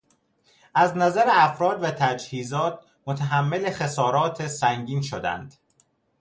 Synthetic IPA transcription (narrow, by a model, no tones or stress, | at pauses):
ʔæznæzæɾeæfɾɒːd̪væt̪ʰæd͡ʒhiːzɒːt̪̚ʰ | mot̪ʰæɦæmːe̞lexe̞sɒːɾɒːt̪ʰesæŋɟiːnʃod̪æ̰nd̪̥